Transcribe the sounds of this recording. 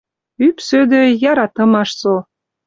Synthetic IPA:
ypsød̪øjɑɾɑt̪ɤ̆mɑʃso

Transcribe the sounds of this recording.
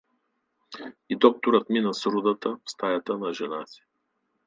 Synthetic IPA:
id̪ɔk̚t̪oɾət̪minɐsɾud̪ət̪əfst̪ajat̪ənɐʒɛnasi̥

